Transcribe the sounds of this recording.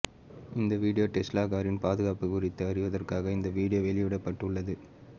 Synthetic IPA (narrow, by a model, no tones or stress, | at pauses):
ɪnd̪ɐʋiːɽɪjoːʈɛsʈlaːɣaːɾɪnpaːðɯɣaːpɯkʊrɪt̪ːɯɐrɪʋɐðɐrkaːɣɐɪnd̪ɐʋiːɽɪjoːʋɛɭɪʋɪɽɐpːɐʈːɯɭːɐðɯ